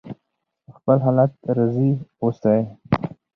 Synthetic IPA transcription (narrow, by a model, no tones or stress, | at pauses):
xpəlɦalat̪̚ɾaziost̪aj